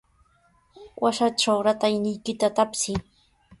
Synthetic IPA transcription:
wʔaʃaʈ͡ʂawɾat̪ajnɪjkɪt̪at̪apsɪ

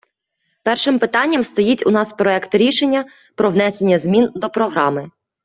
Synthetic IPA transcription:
pɛrʃɪmpɪt̪ɑnʲːɐmst̪ɔjitʲʊnɑspɾɔɛkt̪ɾʲiʃenʲːɐ | pɾɔwn̪ɛse̞nʲːɐzmʲind̪ɔpɾɔɦɾɑmɪ

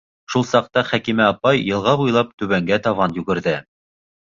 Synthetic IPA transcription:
ʃulˠsɑq̚t̪ɑχækimæɑpɑjːɤ̆lˠʁɑβujlˠɑp̚t̪ʉβæŋɡæt̪ɑvɑnjɵɡɘ̆ɾðɘ

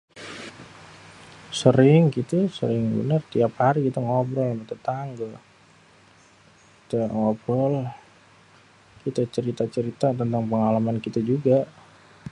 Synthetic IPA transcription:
səɾɪŋkit̪usə̰ɾɪŋbə̰nərt̪iaphaɾiɡit̪əŋɔbɾɔlamat̪ət̪aŋɡəl | kkit̪aŋɔbɾɔl | kit̪at͡ʃəɾit̪at͡ʃəɾit̪at̪ənt̪aŋpəŋalamankit̪ad͡ʒuɡaʔ

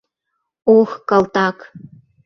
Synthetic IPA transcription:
oxkɑlt̪ɑk

